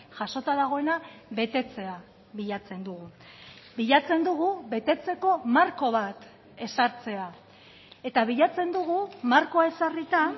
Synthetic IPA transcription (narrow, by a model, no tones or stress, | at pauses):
ʝaso̞t̪aðaɣ̞o̞e̞naβe̞t̪e̞t͡se̞a | βiʎat͡se̞nd̪uɣ̞u | biʎat͡se̞nd̪uɣ̞uβe̞t̪e̞t͡se̞ko̞maɾko̞β̞at̪ | e̞saɾt͡se̞a | e̞t̪aβiʎat͡se̞nd̪uɣumaɾko̞ae̞sarit̪a